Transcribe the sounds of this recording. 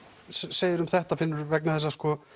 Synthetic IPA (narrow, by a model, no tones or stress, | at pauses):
sseːjɪɾʏmθɛht̪afɪnːʏɾvɛknaθɛs̬ːaskɔ